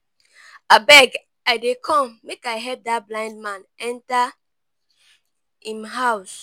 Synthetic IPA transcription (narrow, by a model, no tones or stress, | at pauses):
abɛɡ | aɪdekʰɔ̃mːekaɪɦɛp̚dablãɪ̃nd̚mãnɛ̃nta | ĩmɦaʊs